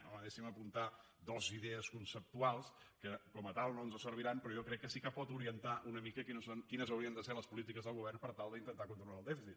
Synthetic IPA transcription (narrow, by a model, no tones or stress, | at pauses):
oəðɛsiməpunt̪a | d̪ɔziðɛəskunsəp̚t̪ualˠskəkɔmət̪alˠnoənzəsəɾβ̞iɾanpɾɔjɔkɾɛkːəsikəpɔt̪uɾiənt̪aʔunəmikəkinsonkinəzəwɾiənd̪əseləspulit̪ikəzðəlˠɣuβ̞ɛrpəɾt̪alˠd̪əint̪ənt̪akunt̪ɾulaːlˠd̪ɛfisit̪